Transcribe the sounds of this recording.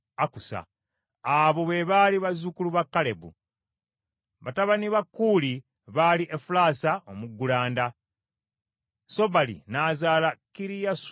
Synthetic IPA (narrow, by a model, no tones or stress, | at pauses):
akusa̰ | aβo̞βeβaliβazukuluβakːale̞bṵ | βataβaniβakːuːli | βaliʔefulaːsaʔomuɡːulaːnda | so̞βalḭnaːzaːlakiɾijas